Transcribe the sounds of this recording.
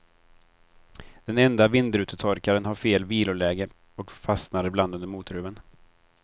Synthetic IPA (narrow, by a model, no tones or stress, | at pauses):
d̪̥ɛnɛnd̪avɪnd̪ɾʉ̟ːt̪ʰət̪ʰɔɾkaɾənɦaɾfeːlviːlʊlɛːɡə | ɔkfasnaɾəbland̪and̪əmuːt̪ɾʉ̟ːvən